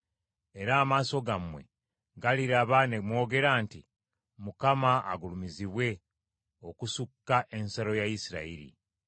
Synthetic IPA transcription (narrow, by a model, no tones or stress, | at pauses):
e̞ɾaːmaːso̞ɡamwe̞̰ | ɡaliɾaβanemwo̞ːɡe̞ɾaːnti | mukamaa̰ɡulumiziβwe̞ | o̞kusukːaʔe̞nsalo̞jaisiɾa̰iɾḭ